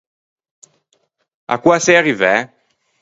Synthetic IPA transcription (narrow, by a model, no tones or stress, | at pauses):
a̰kwasɛaʁivɛ